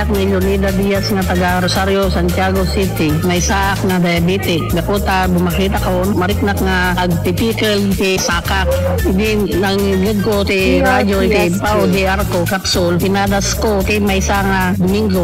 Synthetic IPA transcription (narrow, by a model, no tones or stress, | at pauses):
ak̚milonid̪ad̪ijasŋat̪ɐɡaɾosaɾjosant̪jaɡosit̪i | majsaʔak̚nad̪ajabit̪ɪk̚dakut̪abʊmakiːt̪akaonmaɾɪk̚nakŋa | ʔɐɡ̚t̪ɪpikɛlt̪isakak̚ | id̪i | naŋiɡud̪̚kot̪iɾad͡ʒot̪ipawd̪iaɾkokapsʊlt̪ɪnad̪askok̪imajsaŋa | d̪ʊmiŋɡo